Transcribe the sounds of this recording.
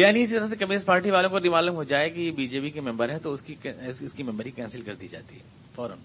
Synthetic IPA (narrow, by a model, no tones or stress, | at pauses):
jaːniɪsit̪ɐɾas̬ekɐmɪnespaːɾʈiʋaːlõkod̪ɪmaːlʊmɦod͡ʒaːekijebiːd͡ʒeːpikemɛ̃mbəɾɦɛ̃t̪oskiɪskimɛ̃mbəɾɦikɛ̃ːnsɪlkɐɾd̪iid͡ʒa̰ːt̪iɦɛ̰ː | fɔːɾə̰m